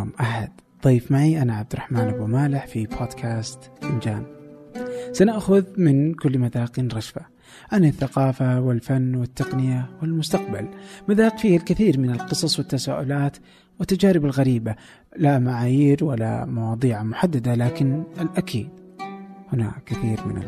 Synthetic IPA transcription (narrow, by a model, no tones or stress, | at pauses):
mʔaħad̪̥ | ðˤijfmaʕiʔanaʕabd̪ɪɾˤrˤɑħmaːnʔabnumaːlɪħfibʰoːd̪kʰaːst̪ʔɪnd͡ʒa̰ːn | sanaʔxʊðmɪnkʊlːmaðaːqinɾˤɑʃfa | ʕanaθːaqɑːfawɪlfanːwɪt̪ːɑqnɪjawɪlmʊst̪aqba̰lmaðaːqfiːhalkɪθiːɾmɪnɪlqɨsˤɑsˤwɪt̪ːasaːʔʊ̰laːt̪ | wɪt̪ːad͡ʒaːɾɪbalɣaɾiːba | lamaʕaːjiːɾwalːa̰mɑwɑːd̪ˤiːʕamʊħad̪ːad̪alaːkɪnɪlʔakʰḭːd̪ | hʊna̰ːkːɪθiːɾmɪ̰na̰